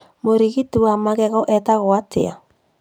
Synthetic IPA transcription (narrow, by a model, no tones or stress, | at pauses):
moɾiɣituwamaɣɛɣɔʔɛtaɣoatʰḛa̰